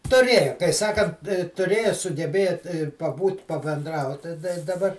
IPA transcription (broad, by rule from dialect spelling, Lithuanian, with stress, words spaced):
tʊˈrʲeːjoː kɐɪ ˈsɑːkɐnt tʊˈrʲeːjoː sʊɡʲɛˈbʲeːt ɪr pɐˈbuːt pɐbʲɛnˈdrɐʊt tɐɪ dɐɪ dɐˈbɐr